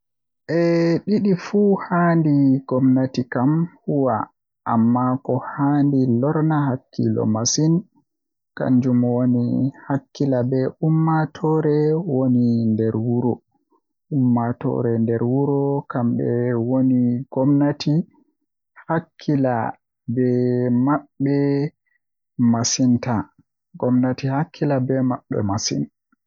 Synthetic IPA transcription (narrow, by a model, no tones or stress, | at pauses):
ʔɛɗiɗifuhandiɡ̥ɔmnatikamhuwa | ʔamːakɔhandilɔɾnahakʰːḭlɔ̰masin | ka̰nd͡ʒumwonihakːilabɛʔumːatʰɔɾɛwonindɛɾwuɾɔ | umːatɔ̰ɾɛndɛɾwuɾɔkambɛwoniɡ̥ɔmnatʰi | hakʰːila | bɛmaɓːɛ | masinta | ɡɔmnatihakʰːilabɛmaɓːɛ̰masḭn